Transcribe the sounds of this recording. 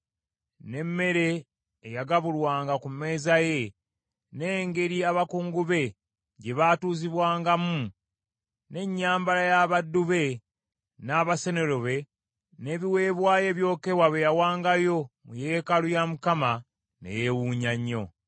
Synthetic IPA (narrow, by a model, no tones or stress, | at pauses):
ne̞mːe̞ɾe̞ː | jaɡaβulwaːŋɡakumːe̞ːzaje̞ | neːŋɡe̞ɾiaβakuːŋɡuβe̞ | ɟe̞βaːtuːziβwaːŋɡamu | ne̞ɲːaːmbalajaβadːuβe̞ | naːβase̞ne̞lo̞βe̞ | ne̞βiwe̞ːβwaːje̞βjo̞ːke̞waβejawaːŋɡajo̞muje̞ːkalujamukama | nḛjewuːɲaɲːo̞̰